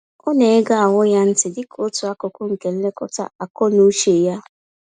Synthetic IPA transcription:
o˦ne˨e˦ɡa˦a˨wʊ˦ja˦n̩˦tɪ˨dɪ˦kʰo˦tʊ˨a˦kʊ˨kʊ˦ŋ̩˨ke˨n̩˦le˦kʊ˦ta̰˦a˨kɔ˦nu˦ʃe˨ja˦

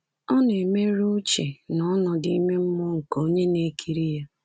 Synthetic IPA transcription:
ɔ˦n˦e˨me˦ɾu˦t͡ʃe˨nɔ˨˦nɔ˨di˦me˦m̩˦mʊ˦ŋ̩˨ko˦ɲe˦ne˨˦kʰi˨ɾi˦ja˦

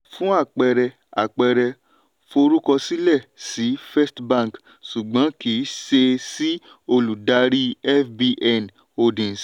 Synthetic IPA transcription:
fũ˦a˦˨k͡pɛ˧ɾɛ˧ | a̰˨k͡pɛ˧ɾɛ˧ | fo˧ɾu˦kɔ˧si˦lɛ˦˨si˨˦fɛ˦stbã˦˨k | ʃu˨ɡ͡bã˨˦kiː˨˦ʃe˧si˦ | o˧lu˨da˨˦ɾi˦ɛ˦fbi˧ʔɛ˦˨n | o˧dĩ˨s

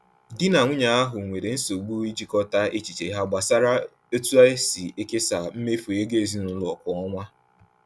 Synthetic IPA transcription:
dɪ˦na˨ŋʷʊ˦ɲa˨a˦ɦʊ˨ŋʷe˨ɾe˨n̩˦so˨ɡ͡bu˦i˦d͡ʒi˨kɔ˦ta˦ʔe˦t͡ʃi˨t͡ʃe˨i˦ɦa˦ɡ͡ba˨sa˦ɾa˦ | o˦tu˦a˦ɪ˦si˨e˦ke˦sa˨m̩˦me˦fo˨je˦ɡe˦˨zi˦nʊ˨lʊ˨˦ɔ˨kʊ˨ɔ˦ŋʷa˦

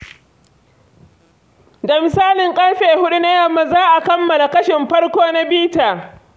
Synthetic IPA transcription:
da˨mɪ˨saː˦lɪ˨ŋkʼɐ˦rɸeː˨hʊ˦ɗu˦na˦jɐ˨mːa˦˨zaː˦ʔa˨kɐ˦mːɐ˨la˨kɐ˦ʃɪ˨mɸɐ˦rkʷoː˦na˦biː˦taː˨

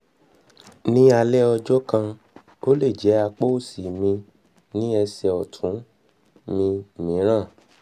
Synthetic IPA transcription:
nĩ˦a˧lɛ˦ɔ˧d͡ʒɔ˦kã˧ | o˦le˦˨d͡ʒɛ˨˦a˧k͡po˦o˦˨si˨mĩ˧ | nĩ˦ɛ˧sɛ˨ɔ˨tʰũ˨˦ | mĩ˧˨mĩ˨˦ɾ̃ã˦˨

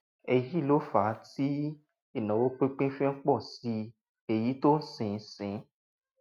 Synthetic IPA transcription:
ɛ˧ji˦˨lo˦fa˨˦ti˦ | e˦˨nã˨wo˦k͡pẽ˦k͡pẽ˦fẽ˦ŋ̩˦k͡pɔ˦˨si˧ | e˧ji˨˦to˦n̩˦sĩ˨˦˨sĩ˨˦

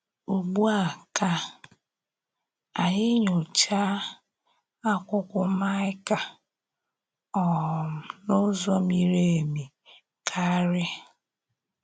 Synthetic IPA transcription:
u˨ɡ͡bu˦a˨ka˦ | a˨ɲɪ˦ɲʊ˨t͡ʃa˦ | a˦kʷʊ˦kʷʊ˦ma˦ɪ˦ka˨ | ɔ˨m̩˨no˦zɔ˦mi˨ɾe˦˨mi˨ | kʰa˦ɾɪ˦

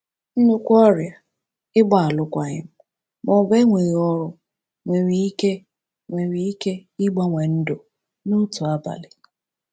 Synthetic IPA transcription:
n̩˦nu˦kʷɔ˦ɾja˨ | ɪ˦ɡ͡ba˨a˨lʊ˦kʷa˨ɲɪ̰˦m̩˦ | mɔ˨be˦ŋʷe˨ɣi˨ɔ˦ɾʊ˦ | ŋʷe˨ɾi˦i˦ke˦ | ŋʷe˨ɾi˨i˦ke˦ɪ˦ɡ͡ba˦ŋʷe˨n̩˦dʊ˨ | nʊ˦tu˨a˦ba̰˨lɪ˨

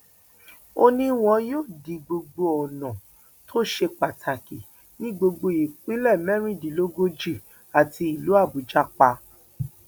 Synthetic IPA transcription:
o˦nĩ˦w̃ɔ̃˧joː˦˨di˨˧ɡ͡bo˧ɡ͡bo˧ɔ˨nɔ̃˨ | tʰo˦ʃe˧k͡pa˨tʰa˨ki˨ | nĩ˦ɡ͡bo˧ɡ͡bo˧i˨k͡pĩ˦lɛ˦˨mɛ̃˦ɾ̃ĩ˦˨di˨lo˦ɡo˦d͡ʒi˦˨ | a˨ti˧i˨lu˨˦a˦˨bu˨d͡ʒa˦k͡pa˧

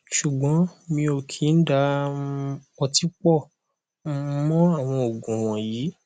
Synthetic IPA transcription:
ʃu˨ɡ͡bɔ̃˨˦mĩ˧o˨kʰi˨˦n̩˦da˧˦ | ɔ˧ti˦k͡pɔ˦˨ | m̩˦˧˦mɔ̃˦a˦˨w̃ɔ̃˧o˨ɡũ˨w̃ɔ̃˨jiː˨˦

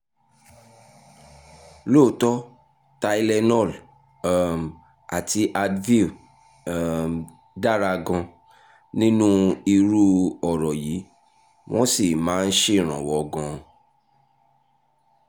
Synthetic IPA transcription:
lo˦˨˦tɔ˦ | ta˧i˧lɛ˧nɔ˦˨l | m˨ | a˨ti˧ʔa˧dvi˦˨ | da˦˨ɾa˧ɡã˧ | nĩ˦nũ˦i˧ɾu˦ɔ˨ɾɔ˨ji˨˦ | w̃ɔ̃˦si˦˨mãː˨˦˧n̩˦ʃe˦˨ɾ̃ã̰˨wɔ˨˧ɡã˧

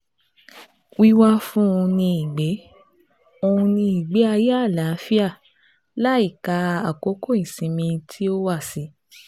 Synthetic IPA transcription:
wi˦wa˦fũ˦ũ˧nĩ˧i˨ɡ͡be˨˦ | o˧hũ˧nĩ˧i˨ɡ͡be˨˦a˧ja˦˨la˨˦fi˦a˦˨ | la˦i˦˨ka˧a˨ko˨˦kʰo˦ĩ˦˨sĩ˨mĩ˧tʰi˦o˦wa˦˨si˨˦

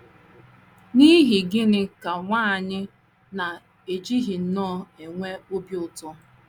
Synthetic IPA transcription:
ni˦ɦi˨ɡɪ˦nɪ˦ka˨ŋʷaː˦˨ɲɪ˦ | na˨ | e˨d͡ʒi˦ɦi˨n̩˦nɔː˦˨e˨ŋʷe˦o˦bi˦ʊ˦˨tʊ˦

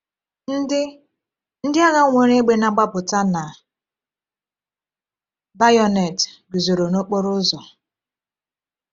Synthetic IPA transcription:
n̩˦dɪ˦ | n̩˦dɪ˦a˦ɣa˦ŋʷe˨ɾe˦ɡ͡be˦na˨ɡ͡ba˦pʊ˨ta˦na˨ | ba˦jɔ˨nɛ˨tɡi˨zo˨ɾo˨no˦k͡po˦ɾʊ˦zɔ˨

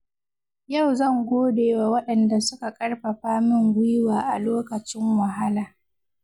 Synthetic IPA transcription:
ja˦˨wzɐ˦˨ŋɡʷoː˦deː˨wa˨wɐ˦ɗɐ˨nda˨sʊ˦ka˨kʼɐ˦ɽɸa˨ɸaː˦mɪ˦˨ŋɡʷʊ˦jɪ˦waː˨ʔa˨loː˦kɐ˨t͡ʃɪ˦ŋwa˨ɦa˦laː˨

